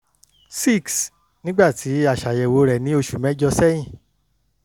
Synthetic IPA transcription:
si˦˨ks | nĩ˦ɡ͡ba˦˨tʰi˨˦a˦˨ʃa˨jɛ˨wo˨˧˦ɾɛ˨nĩ˨˦o˧ʃu˨mɛ̃˨˦d͡ʒɔ˧sɛ˦j̃ĩ˦˨

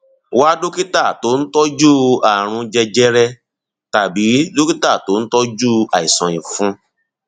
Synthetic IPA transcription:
wa˦do˦ki˦ta˦˨to˨˦n̩˦tɔ˦d͡ʒu˦a˨ɾ̃ũ˧d͡ʒɛ˧d͡ʒɛ˦ɾɛ˦ | ta˨bi˨˦do˦ki˦ta˦˨to˨˦n̩˦tɔ˦d͡ʒu˦a˨i˨sɔ̃˨ĩ˨fũ˨˦

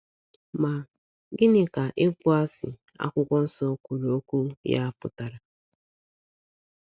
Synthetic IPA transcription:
ma˨ | ɡɪ˦nɪ˨ka˨ʔe˦kʷʊ˦a˦sɪ̰˨ | a̰˦kʷʊ˦kʷɔ˦n̩˦sɔ˦kʷu˨ɾu˨o˦kʷu˦ja̰˦pʊ̰˨ta˨ɾa˨

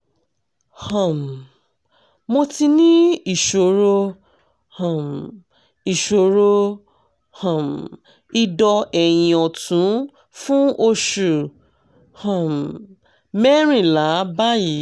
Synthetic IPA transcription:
hɔ̃˨m˨ | mo˧ti˧nĩ˦i˨ʃo˨ɾo˧ | hɔ̃˨m | i˨ʃo˨ɾo˧ | hɔ̃˨m | i˧dɔ˧ɛ˨j̃ĩ˨ɔ˨tũ˨˦ | fũ˦o˧ʃu˨ | hɔ̃˨m | mɛ˦ɾ̃ĩ˦˨la˨˦ba˦ji˨˦

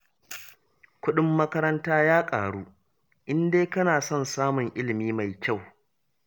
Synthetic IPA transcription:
kʷʊ˦ɗɪ˦mːɐ˦kɐ˦ɾɐ˦ntaː˦jaː˦kʼaː˨ɽuː˦ | ʔɪ˦ndeː˦kɐ˦naː˨sɔ˦˨nsaː˦mʊ˨ŋʔɪ˦lɪ˨miː˦ma˨jkʲa˦˨w

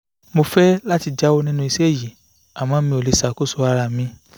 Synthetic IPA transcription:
mo˧fɛ˦la˦ti˧d͡ʒa˦wo˦nĩ˦nũ˦˧i˧sɛ˦˨ji˨ | a˨mãː˨˦mĩ˧o˨le˨˧sa˨ko˦so˧a˧ɾa˨mĩ˧

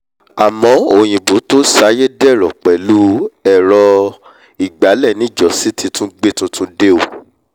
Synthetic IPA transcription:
a˨mɔ̃˨˦o˨j̃ĩ˨bo˨˦to˦sa˨˦je˦dɛ˦˨ɾɔ˨k͡pɛ˨˦lu˦ɛ˦˨ɾɔ˧ | i˨ɡ͡ba˨˦lɛ˦˨nĩ˨˦˨d͡ʒɔ˨˦si˦ti˧tũ˦ɡ͡be˦tũ˦tũ˦de˦o˦˨

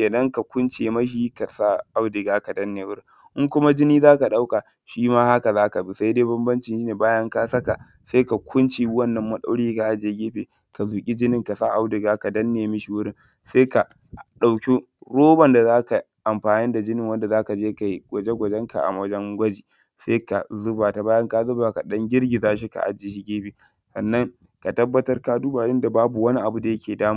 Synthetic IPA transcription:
kʲeː˨nɐ˦ŋka˨kʷʊ˦nt͡ʃeː˨mɐ˦ʃ̬iː˦ka˨sa˦ʔa˦wdɪ˨ɡaː˦ka˨dɐ˦nːeː˨wʊ˦ɾɪ˦˨ | ʔɪ˦ŋkʷʊ˦ma˦d͡ʒɪ˦niː˦zaː˦ka˨ɗa˦wka˨ | ʃiː˦maː˦ha˦ka˨zaː˦ka˨bi˦sa˦jdeː˦bɐ˦mbɐ˦nt͡ʃɪ˨ʃiː˦neː˨baː˦jɐ˦ŋka˦sɐ˦ka˨ | sa˦ka˨kʷʰʊ˦nt͡ʃi˨wɐ˦nːɐ˨mːɐ˦ɗa̰˦wɽiː˦ka˨ʔa˦d͡ʒeː˨ɡʲeː˦ɸeː˨ | ka˨zuː˨kʲʼi˦d͡ʒɪ˦nɪ˨ŋka˨sa˦ʔa˦wdɪ˨ɡaː˦ka˨dɐ˦nːeː˨mɪ˦ʃi˨wʊ˦ɽɪ˦nŋ | seː˦ka˨ | ɗa˨wkʲi˦ | ɽoː˦bɐ˨nda˨zaː˦ka˨ʔa˨mɸaː˨ni˦nda˨d͡ʒɪ˦nɪ˨ŋwɐ˦nda˨zaː˦ka˨d͡ʒeː˦ka˨ji˦ɡ̥ʷɐ˨d͡ʒe˦ɡʷɐ˨d͡ʒɛ˦ŋka̰˨ʔa̰˨mwɐ˦d͡ʒɐ˦ŋɡʷɐ˦d͡ʒiː˨ | seː˦ka˨zʊ˦baː˨ta˨baː˦jɐ˦ŋkaː˦zʊ˦baː˨ka˨ɗɐ˦ŋɡʲɪ˦rɡʲi˨zaː˦ʃ̬i˦ka̰˨ʔa̰˦d͡ʒe˨ʃi˦ɡʲeː˦ɸiː˨ | sɐ˨nːɐ˦ŋ | ka˨tɐ˦bːɐ˦tɐ˦rkaː˦du˦baː˨jɪ˦nda˨baː˦bu˨wɐ˦ni˦ʔa˨bu˦da˨jɐ˦kʲeː˨daː˦maː˨

